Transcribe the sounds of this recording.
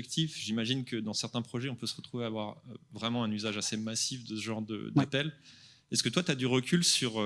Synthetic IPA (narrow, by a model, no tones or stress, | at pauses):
ɛk̚t̪ʰifʒimaʒinkəd̪ɑ̃sɛʁt̪ɛ̃pχɔʒɛɔ̃pøsəʁət̪χuveavwaʁvʁɛmɑ̃ɛ̃nyzaʒasemasifd̪əsəʒɑ̃ʁd̪ə̰d̪apɛl | ɛskət̪wat̪yad̪yʁəkʲʰylsyʁ